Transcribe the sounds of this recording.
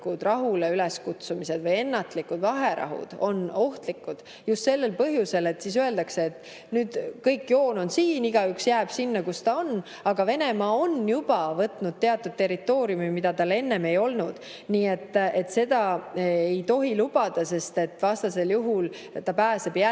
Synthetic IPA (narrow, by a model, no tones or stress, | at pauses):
kud̪̥rɑɦuleyleskut̪sumise̞d̪̥vɤje̞nːɑt̪likud̪̥vɑɦe̞ɾɑ̰ɦṵd̪̥o̞no̞ht̪likːˑud̪̥ | just̪se̞lːe̞lpɤɦjuse̞le̞t̪ːˑsis̬øe̞ld̪̥ɑkseːt̪ː | nyːd̪̥kɤjkːjo̞ːno̞nsiːniɡ̥ɑyksjæːb̥sinːɑkust̪ɑo̞nː | ɑɡ̥ɑve̞ne̞mɑo̞njub̥ɑvɤt̪nud̪̥̚t̪e̞ɑt̪ːˑud̪̥̚t̪e̞rit̪ːˑo̞ːɾiumimid̪̥ɑt̪ɑle̞nːe̞me̞jo̞lnud̪̥ | niːe̞t̪ːe̞t̪ːse̞d̪ɑejt̪o̞ɦilub̥ɑd̪̥ɑse̞st̪e̞t̪ːˑvɑst̪ɑse̞ljuɦul | t̪ːɑpæːse̞b̥æ